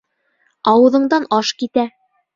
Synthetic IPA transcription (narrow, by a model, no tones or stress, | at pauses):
ɑwɤ̆ðɤ̆ɴd̪ɑnɑʃkit̪æ